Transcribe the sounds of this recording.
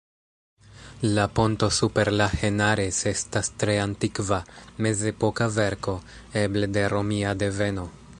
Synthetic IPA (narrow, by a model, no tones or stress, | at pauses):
lapo̞nto̞supe̞ɾlahe̞naɾese̞stastɾe̞antikvame̞ze̞po̞kave̞ɾko̞ | e̞blede̞ɾo̞miade̞ve̞no̞